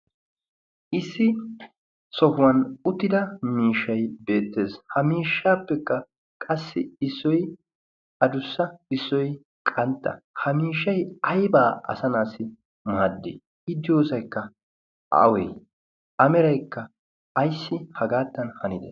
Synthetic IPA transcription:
ʔɪsːɪ | sɔfʊwɐnʊt̪ːɪd̪ɐmiːʃːɐjbe̞ːt̪ːe̞ːshɐmiːʃːaːpːɛkːɐ | kʼɐsːɪ̰ɪsːɔj | ɐd̪ʊsːɐɪsːɔj | kʼɐnt̪ːɐ̰hɐmiːʃːɐjɐjbaːʔɐ̰sɐnaːsːɪ | maːd̪ːḛː | ɪd̪ːɪjoːsɐjkːɐ | a̰wḛj | ɐmɛɾɐjkːɐ | ɐjsːɪhɐɡaːt̪ːɐnhɐnɪd̪ḛ

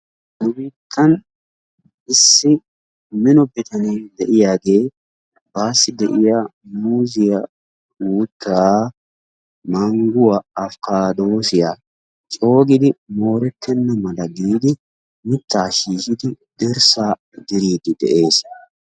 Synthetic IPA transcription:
mʊbiːt̪ʰːɐn | ʔɪsːɪ | mɪnɔbɛt̪ɐneːd̪ɛʔɪjaːɡe̞ː | baːsːɪd̪ɛʔɪjamuːzɪjɐ | uːt̪ʰː | mɐŋɡʊwɐɐfkaːd̪oːsɪjaː | t͡ʃʼo̞ːɡɪd̪ɪmo̞ːɾɛt̪ʰːɛnːɐmɐlɐɡiːd̪ɪ | mɪt̪ːaːʃiːʃɪd̪ɪ | d̪ɛɾsaː | d̪ɪɾiːd̪ɪd̪ɛ̰ʔe̞ːs

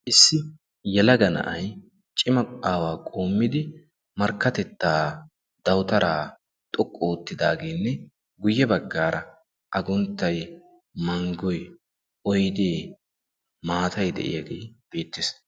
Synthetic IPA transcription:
ʔɪsːɪ | jɛlɐɡɐnɐ̰ʔɐj | t͡ʃʼɪmɐaːwaːkʼoːmːɪd̪ɪ | mɐɾkːɐt̪ɛt̪ːaː | d̪̥ɐwt̪ɐɾʔaː | t̪ʼɔkʼːɔːt̪ːɪd̪aːɡeːnːɛ | ɡʊjːɛbɐɡːaːɾɐ | ʔɐɡʊnt̪ːɐj | mɐŋɡɔj | ʔɔjd̪eː | maːt̪ʰɐjd̪ɛ̰ʔɪ̰jɐɡḛjb̥e̞ːt̪ːɪs

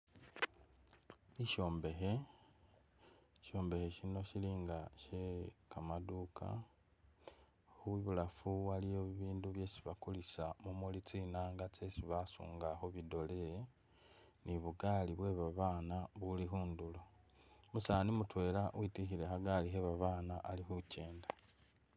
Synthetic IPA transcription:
iʃo̞ːmbe̞xe̞ | ʃo̞ːmbe̞xe̞ʃino̞ʃiliːŋɡaʃekamadukʰa̰ | uiβulafuwalijoβiβiːnduβje̞ːsiβakulisamumolit͡sinaːŋɡat͡se̞siβasṵːŋɡaxo̞βido̞le | niβuɡaːliβwe̞βaβaːnaβulixuːndulo | musaːnimutwe̞ːlawitixiɾe̞xaɡaliɦeβaβaːnaʔalixuce̞ːnda

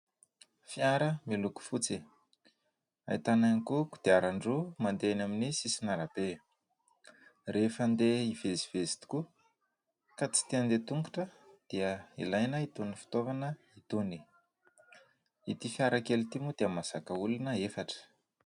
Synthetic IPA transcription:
fiaɾəmiluku̥fut͡si | a̰it̪ananikuku̥d̪̥eaɾaɳɖ͡ʐumand̪eanaminisisinaɾab̥e | refənd̪eiveziv̥ezi̥t̪i̥ku | kat͡si̥t̪iand̪et̪uŋɡu̥ʈ͡ʂəd̪̥iəḭlajnəit̪unifi̥t̪ovanə | it̪uni̥ | it̪ifiaɾakelit̪imud̪̥eamaz̥akəulunəefaʈ͡ʂə̥

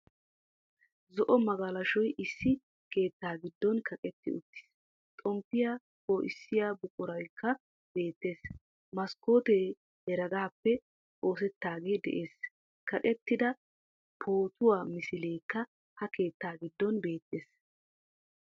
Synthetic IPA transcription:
zɔʔɔmɐɡɐlɐʃɔjʔɪsːɪ | ke̞ːt̪ːaːɡɪd̪ːɔnkʰɐkʼɛt̪ːɪ̰ʊ̰t̪ːɪ̥s | t̪ʼɔmpːɪjaː | koːʔɪ̰sːɪjaːbʊkʼʊɾɐjkʰːɐ | b̥e̞ːt̪ːe̞ːs | mɐskːo̞ːt̪e | hɛɾɐɡaːpːɛ | o̞ːs̬ɛt̪ːaːɡe̞ːd̪ɛ̰ʔe̞ːs | kɐkʼɛt̪ːɪd̪ɐ | pʰoːt̪ʊwaːmɪsɪle̞ːkːɐ | hɐke̞ːt̪ːaːɡɪd̪ːɔnbe̞ːt̪ːeːs

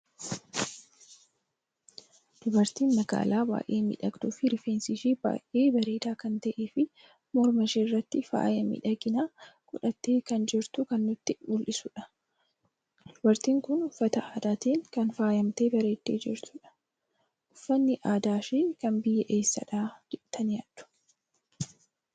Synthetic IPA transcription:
d̪̥ʊbɐɾt̪iːnmɐɡa̰ːlaːba̰ːʔeːmḭᶑɐɡd̪uːfɪɾɪfeːnsiʃiːba̰ːʔʔe̞ːbɐɾe̞ːd̪aːkɐnt̪ɐʔeːfɪ | mɔɾmɐʃeːrːɐt̪ːɪfa̰ːjɐmḭᶑɐɡɪnaːkʼʊᶑɐt̪ːeːkɐnd͡ʒɪɾt̪ʊkɐnːʊt̪ːɪʊlʔɪsʊᶑɐ̥ | d̪̥ʊbɐɾt̪iːŋkʊnʊfːɐt̪ɐaːd̪aːt̪iːŋkɐnfaːjɐmt̪eːbɐɾe̞ːt̪ːeːd͡ʒɪ̰ɾt̪ʊᶑɐ̥ | ʔʊfːɐnːɪʔaːd̪aːʃeːkɐnbɪjːɛʔe̞ːsːɐ̰ᶑaːd͡ʒɛʔt̪ʰɐnjaːd̪ʊ̥

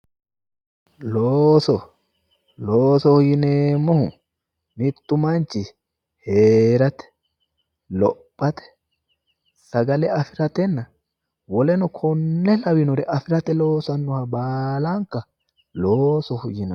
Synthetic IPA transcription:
loːsɔ | loːsɔhʊjɪneːmːɔhʊ | mɪt̪ːʊmant͡ʃɪ | heːɾɐt̪ɛ̥ | lɔpʼːɐt̪ɛ̥ | sɐɡɐlɛɐfɪɾɐt̪ɛnːɐ | wɔlɛnɔkʰɔnːɛlɐwɪnɔɾɛʔɐfɪɾɐt̪ɛloːsɐnːɔhɐbaːlaŋkɐ | loːsɔhʊjɪnɐ

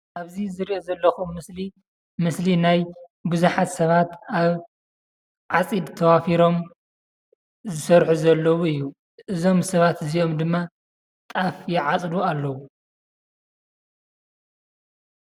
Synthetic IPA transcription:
ʔaβzizɨɾiʔozɐlːɐxumːɨsli | mɨslinajbuzuħat̪sɐβat̪aβ | ʕat͡sʼid̪t̪ʰɐwafiɾo̞m | zɨsɐɾħuzɐlːɐwuɨjːu | ʔɨzo̞msɐβat̪ɨzio̞md̪ɨmːa | t̪ʼafjɛʕat͡sʼdualːɐwu

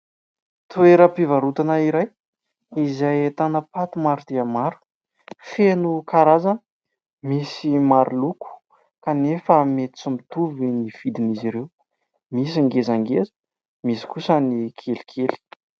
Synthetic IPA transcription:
t̪ueɾəpivaɾut̪anaiɾaj | izajet̪anəpat̪umaɾut̪eamaɾu̥ | fenukaɾazanə | misimaɾʔuluku̥ | kanefəmet̪i̥t͡sumit̪uvinifid̪iniziɾew | mis̬aŋɡezaŋɡezə̥ | misi̥kusənikʰeli̥kʰeli̥

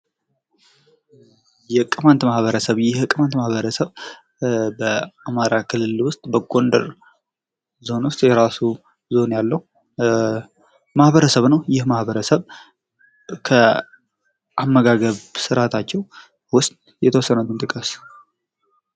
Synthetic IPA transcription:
jɛkʼːɨmant̪mahβəɾəsəβjɪhkʼːɨmant̪mahβəɾəsəβ | bəamaɾakʰɨlɨlwʊst̪ʼbəɡʼo̞nd̪ə̰ɾ | zo̞nwʊst̪ʼjɛɾasu | zo̞njalːəhu | mahβəɾəsəβnəwjɪhmahbəɾəsəβ | kʰə | ʔamːəɡaɡəβsɨɾat̪ʰat͡ʃːɛw | wʊst̪ | jɛt̪ʰəwɔsːənət̪ʰɨnt̪ʼɨkʼəs

